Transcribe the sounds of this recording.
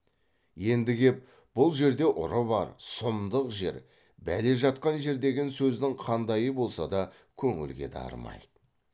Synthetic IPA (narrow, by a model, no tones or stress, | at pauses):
je̞nd̪ɪɡʲe̞p̚ | b̥ʊlˠʒe̞ɾd̪e̞ʔʊ̰ɾəbɑ̰ɾsʊmd̪əqʒe̞̰ɾ | bæleʒɑt̪qɑnʒe̞ɾd̪e̞ɡʲe̞nsɵzd̪ɪŋqʰɑnd̪ɑjəbo̞lˠsɑd̪ɑ | kʲʰɵŋɪ̰lɡʲe̞̰d̪ɑ̰ɾə̰mɑ̰jd̪̥ə